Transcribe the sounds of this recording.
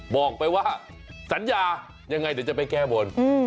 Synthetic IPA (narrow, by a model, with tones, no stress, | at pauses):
bɔː˨˩k̚pa˧jwaː˥˩ | sa˩˦njaː˧ | ɲa˧ŋːa˧jdiː˨˦t͡ɕa˨˩pa˧jkɛː˥˩bo˧n